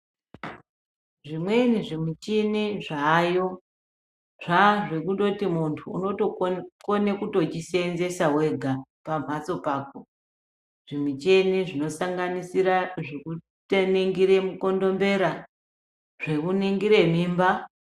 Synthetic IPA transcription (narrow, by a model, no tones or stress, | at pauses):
ʐimwe̞niʐimit͡ʃiniʐaːjo̞ | ʐaʐe̞kuɗo̞timuntʰṵːno̞tokonekuto̞t͡ʃisenze̞sawe̞ɡʱapam̤at͡so̞paːk̚o | ʐ̥imit͡ʃeniʐino̞saŋɡanisiɾaʐeku | teneŋɡiɾe̞muko̞ndo̞mbe̞ɾa | ʐ̥e̞kuniŋɡiɾe̞miːmba